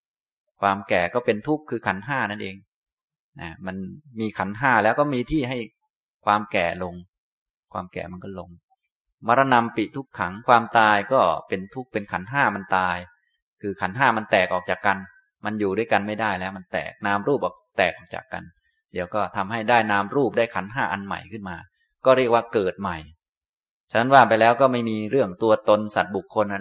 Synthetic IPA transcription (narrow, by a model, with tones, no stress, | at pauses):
kʰwaː˧mkɛː˨˩kɔː˥˩pe˧nt̪ʰu˦˥kʰːɯː˧kʰa˩˦nɦaː˥˩na˥˩nʔeː˧ŋ | na̰˧˩ma˧nmiː˧kʰa˩˦nɦaː˥˩lɛː˦˥wkɔː˥˩miː˧t̪ʰiː˥˩ɦa˥˩j | kʰwaː˧mkɛː˨˩lo˧ŋ | kʰwaː˧mkɛ̰ː˨˩ma˧nkɔː˥˩lo˧ŋ | ma˧ɾa˧na˧mpi˨˩t̪ʰu˦˥kʰːa˩˦ŋkʰwaː˧mt̪aː˧jkɔː˥˩pe˧nt̪ʰu˦˥k̚pe˧nkʰa˩˦nɦaː˥˩ma˧nt̪aː˧j | kʰɯː˧kʰa˩˦nɦaː˥˩ma˧nt̪ɛː˨˩k̚ʔɔː˨˩k̚t͡ɕaː˨˩kːa˧n | ma˧njuː˨˩du˥˩əjka˧nma˥˩jdaː˥˩jlɛː˦˥wma˧nt̪ɛ̰ː˨˩k̚naː˧mɾuː˥˩p̚ʔɔ̰ː˨˩k̚t̪ɛː˨˩k̚ʔɔː˨˩t͡ɕa̰ː˨˩kːa̰˧n | diː˨˩˦əwkɔː˥˩t̪ʰa˧mɦa˥˩jdaː˥˩jnaː˧mɾuː˥˩p̚daː˥˩jkʰa˩˦nɦaː˥˩ʔa˧nma̰˨˩jkʰɯ˥˩nmaː˧ | kɔː˥˩ɾi˥˩ək̚waː˥˩kɤː˨˩t̪̚ma˨˩j | t͡ɕʰa˧nːa˦˥nwaː˥˩pa˧jlɛː˦˥wkɔː˥˩ma˥˩jmiː˧ɾɯ˥˩əŋt̪u˧ɐt̪o˧nsa̰˨˩t̪̚bu˨˩kʰːo˧nʔa˧